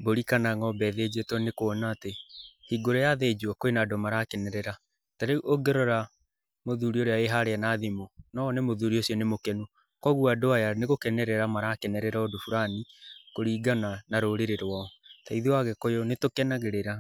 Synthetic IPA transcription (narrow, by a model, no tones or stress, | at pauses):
boɾikanaŋɔbɛðed͡ʑetwɔnekoɔnaːtehiɡoɾɔjaðed͡ʒuɔkoenadɔmaɾakɛnɛɾɛɾa | taɾeʔoɡeɾɔɾa | moðuɾioɾeaeɦaɾeanaðimonɔnemoðuɾiosiɔnemokɛnu | kwɔɣuadoajaneɣokɛnɛɾɛɾamaɾakɛnɛɾɛɾaodofuɾanikoɾiːɡananaɾoɾeɾeɾwɔɔtaiðiwaɣɛkojonetokɛnaɣeɾeɾa